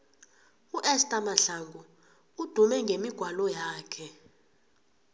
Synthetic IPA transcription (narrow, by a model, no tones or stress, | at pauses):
uʔɛstʼamaɬaŋɡʱu | ud̥ʱumɛŋɡʱemiɡ̥ʱwalɔjaːkʰɛ